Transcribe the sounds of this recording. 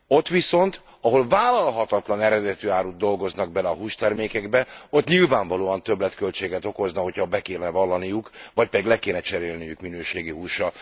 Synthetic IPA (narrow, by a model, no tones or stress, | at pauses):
o̞t̪ʋiso̞nt̪ | ɒɦo̞lvaːlɒlɦɒt̪ɒt̪lɒnɛɾɛd̪ɛt̪yːaːɾud̪̚d̪o̞lɡo̞znɒɡ̚bɛlɛɒɦuːʃt̪ɛrmeːkɛɡbɛo̞t̪ɲilvaːɱvɒloːɒnt̪ø̞blɛt̪kølt͡ʃeːɡɛt̪o̞ko̞znɒɦocʰhɒbɛkeːlnɛvɒlːɒnijukvɒc̚pɛd̪iɡlɛkeːnɛt͡ʃɛɾeːlnijykminøːʃeːɡiɦuːʃːɒ